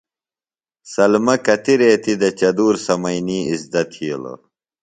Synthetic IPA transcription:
sɐlmɐkɐt̪iɾeːt̪id̪ɐt͡ɕɐd̪uːɾsɐmɐjniːizd̪ɐt̪ʰiolɐ̰

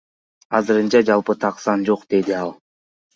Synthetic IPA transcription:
ɑzɯɾɯnt͡ʃɑd͡ʒɑlˠpɯt̪ʰɑqsɑnd͡ʒo̞qd̪̥e̞d̪iɑlˠ

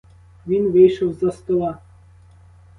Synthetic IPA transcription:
ʋʲinʋejʃɐwzɐst̪ɔlˠɑ

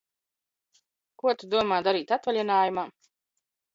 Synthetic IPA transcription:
kuɔt̪ud̪uɔmaːd̪aɾiːt̪at̪valʲɛnaːjumaː

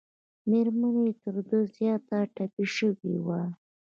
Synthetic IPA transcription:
meɾmanoet̪əɾd̪əzjɑt̪aʈapiʃəwḭwa

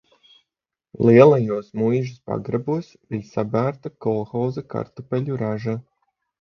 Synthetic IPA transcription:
lˠiɛlˠajuɔsmujʒuspa̰ɡɾabuɔsvʲijsabæːɾt̪akɔlˠxawzaka̰ɾt̪upʲɛʎʲuɾaʒa

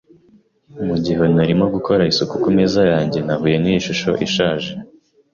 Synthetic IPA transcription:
muɟiɦe̞naɾimoɡuko̞ɾaisukukumezajaːɲɟe̞naɦuːje̞nijiʃuʃo̞̰ʔiʃaːʒe

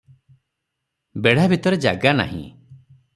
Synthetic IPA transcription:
beɽ̤abʱit̪ɔɾed͡ʒa̰ɡana̰ɦḭ̃

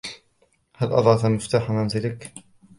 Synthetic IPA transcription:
halʔɑd̪ˤʕɑt̪amɪft̪aːħamanzɪlɪk

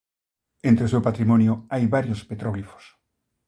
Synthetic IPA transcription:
ẽnt̪ɾeos̬ewpat̪ɾimɔ̃njʊajβaɾjospet̪ɾoɣlifo̥s

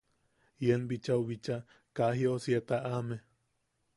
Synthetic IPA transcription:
jenbit͡ʃawβit͡ʃa | kaɦiosiet̪aʔame

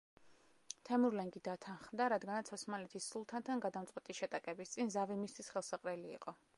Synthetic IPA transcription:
t̪ʰɛmuɾlɛŋɡid̪at̪ʰanχmd̪aɾad̪ɡanat̪sʰɔsmalɛt̪ʰisːulˠt̪ʰant̪ʰanɡad̪amt̪sʼqʼwɛt̪ʼiʃɛt̪ʼakʼɛbist̪sʼinzavimist̪ʰisχɛlˠsaqʼɾɛlḭːqʼɔ

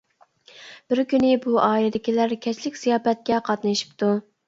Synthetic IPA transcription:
b̥ɪɾkʲynɪbuʔɑːjɪd̪ɪkʲilæɾkʲʰɛt͡ʃlɪkʲsijɑːpɛt̪̚kʲɛqʰɑt̪nɨʃi̥pt̪u

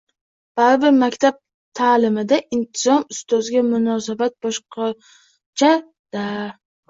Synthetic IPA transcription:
b̥aɾɪbɪɾmakʲt̪ʰab̚ | t̪ʰaːlɪmɪd̪aʔɪnt̪ʰɪzɒmʊst̪ɒzɡʲamʊnɒsabat̪̚bɒʃqɑ | t͡ʃʰa | d̪̥a

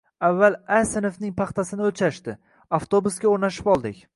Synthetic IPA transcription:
avːalˠasɪnofnɪŋpʰɑχt̪ʰasɪnɪɵt͡ʃʰaʃt̪ɪ | aft̪ʰobuskʲaoɾnaʃɪ̥pɒlˠd̪ɪkʲ

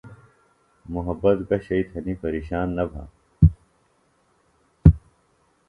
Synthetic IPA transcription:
muɦɐbːɐt̪ɡɐɕɐit̪ʰɐnipɐɾiːɕaːnːɐbʱã̰ː

